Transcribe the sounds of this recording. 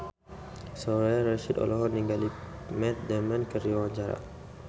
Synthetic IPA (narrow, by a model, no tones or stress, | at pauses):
sɔɾaaɾaʃid̪ɔ̰lɔɦɔniŋɡalimɛt̪̚dɛmankəɾiwaɲt͡ʃaɾa̰